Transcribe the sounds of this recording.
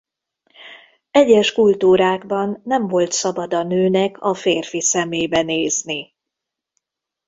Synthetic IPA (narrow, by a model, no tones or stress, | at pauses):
ɛɟːɛʃkult̪uːɾaːɡbɒnːɛɱvo̞lt̪sɒbɒd̪ɒnøːnɛkʰɒfeːrfisɛmeːbɛneːzni